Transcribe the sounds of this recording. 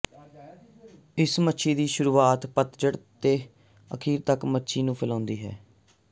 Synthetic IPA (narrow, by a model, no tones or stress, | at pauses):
ɪsmətːʃʰiːd̪iːʃʊɾuːaːt̪pət̪d͡ʒəɽt̪eː | əkʰiːɾt̪əkmətːʃʰiːnũːpʰɪlãːnd̪iːɦɛ̰ː